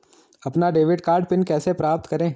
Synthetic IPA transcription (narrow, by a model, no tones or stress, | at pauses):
ɐpnaɖeːʋɪɖkaːɾɖpɪnkɛːsepɾaːp̚t̪kɐɾẽː